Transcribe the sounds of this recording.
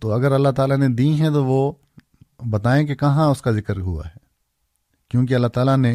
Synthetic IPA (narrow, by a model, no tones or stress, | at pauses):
t̪oːɐɡəɾɐlːaɦt̪aːlaned̪iɦɛ̃t̪̬oʋo | bɐt̪aːẽk̬ekɐɦãʊskazɪkəɾɦua̰ɦɛː | kjõːk̬eɐlːaɦt̪aːlane